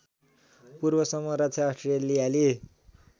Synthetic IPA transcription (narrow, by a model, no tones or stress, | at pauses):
purbʌsʌmːʌɾat͡sʰjaːsʈrelijale